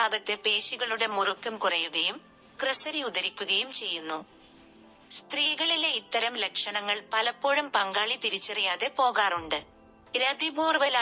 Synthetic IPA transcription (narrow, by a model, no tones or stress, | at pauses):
aːɣɐt̪ːe̞pe̞ːɕiɣɐɭuɽe̞murukːɐmkurɐjuɣɐjum | krɨsɐɾiuðɐɾikʲːuɣɐjumt͡ɕe̞jːunːu | st̪riːɣɐɭileit̪ːɐɾɐmlekʂɐɳɐŋːɐɭpɐlɐpːo̞ːɻɐmpɐŋɡaːɭit̪iɾit͡ɕːɐrijaːðe̞po̞ːɣaːruɳɖɨ | ɾɐd̪ibuːrʋɐl